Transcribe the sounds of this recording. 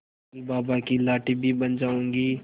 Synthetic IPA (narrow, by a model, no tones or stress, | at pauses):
ibaːbakilaːʈibʱibɐnd͡ʒaːũːŋɡiː